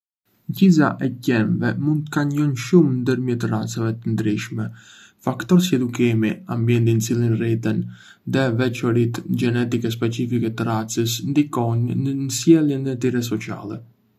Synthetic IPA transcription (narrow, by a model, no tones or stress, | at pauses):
ɲɟiza̰ʔɛcɛnvɛmund̪t̪əkaɲɔnʃumnd̪əɾmjɛt̪ərat͡savɛt̪ənd̪ɾiʃmɛ | fakt̪ɔɾsiɛd̪ukimiambjɛnt̪int͡silˠinrit̪ən | ðɛvɛt͡ʃɔɾit̪d͡ʒɛnɛt̪ikɛs̬pɛt͡sifikɛt̪ərat͡səsnd̪ikɔnnənəsjɛlˠjɛnət̪iɾɛs̬ɔt͡sia̰lɛ